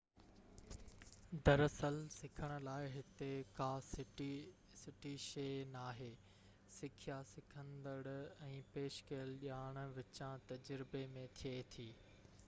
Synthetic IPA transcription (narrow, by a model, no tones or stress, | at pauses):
d̪ɐɾɐsəlsɪkʰəɽ̃ʊ̆laːɪɦɪt̪ekaːs | sɪʈiʃeːnaːɦeː | sɪkʰijasɪkʰə̃nd̪əɽɛ̃ːpeːʃkɐjəlʄaːɽ̃ʊ̆ʋɪt͡ɕãt̪ɐd͡ʑɾɪbemẽt̪ʰiet̪ʰiː